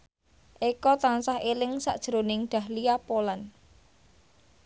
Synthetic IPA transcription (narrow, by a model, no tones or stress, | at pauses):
ʔekɔt̪ansahelɪŋsa̰ʔd̥ʒ̥əɾonɪŋɖ̪̥a̤hliapolan